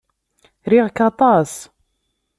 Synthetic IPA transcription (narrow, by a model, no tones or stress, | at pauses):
ɾiʁkɑt̪ˤɑs